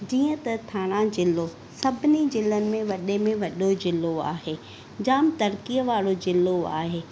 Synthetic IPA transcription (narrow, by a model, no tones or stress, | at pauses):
d͡ʑiːə̃t̪ɐt̪ʰaːɽ̃ãd͡ʑɪlo | sɐbʱɪnid͡ʑɪlənɪ̆mẽʋɐɗemẽʋɐɗod͡ʑɪlːoa̰ːɦeː | d͡ʑaːmt̪ɐɾkiəʋaːɽod͡ʑɪloa̰ːɦeː